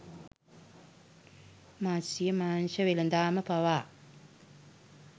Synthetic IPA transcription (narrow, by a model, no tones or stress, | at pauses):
maːsijɐmaːnʃɐʋilɐnd̪aːmɐpɐwaː